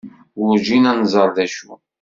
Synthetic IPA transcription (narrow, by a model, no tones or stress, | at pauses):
ʊɾʒinænzˤəɾˤðæʃṵ